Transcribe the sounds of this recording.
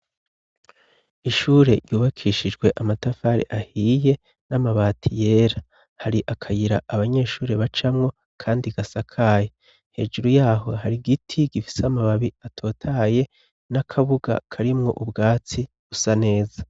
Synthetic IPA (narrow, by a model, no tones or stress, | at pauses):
iʃuːɾe̞ɾjuːβakʰiʃid͡ʒɡwe̞ʔamatafaːɾḛʔahije̞ | namaβaːtʰije̞ːɾa | haɾiʔakʰajiɾa̰ʔaβaɲe̞ːʃuːɾe̞βat͡ʃamŋo̞ | kʰaːndiɡasakʰaːje | he̞̰d͡ʒuɾujaːɦo̞̰ɦaɾiɡitʰiɡifi̥samaβaβiatʰo̞ːtʰaːje̞ | nakʰaβuɡa̰kʰaɾimŋo̞̰ʔubɡaːt͡si | ɡ̥usane̞ːza